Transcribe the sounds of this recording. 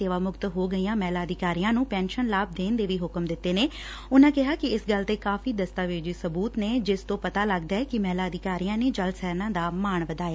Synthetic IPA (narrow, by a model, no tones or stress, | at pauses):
eːʋaːmʊkt̪ɦoːɡəijãːmɛːlaːd̪ɪkaːɾijãːnũːpɛːnʃənlaːb̚d̪eːnd̪eːʋiːɦʊkəmd̪ɪt̪ːeːneː | ʊnãːkɪɦaːkɪɪsɡəlt̪eːkaːfiːd̪əst̪aːʋeːd͡ʒiːsəbuːt̪neːd͡ʒɪst̪õːpət̪aːləɡd̪aːɛːkɪmɛːlaːəd̪ɪkaːɾijãːneːd͡ʒəlsɛːɾnãːd̪aːmaːɳʋəd̪aːjaː